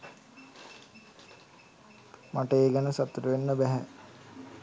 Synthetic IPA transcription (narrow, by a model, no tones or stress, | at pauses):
maʈəeːɡɛnəsat̪ːɾuʋenːəbæɦɛ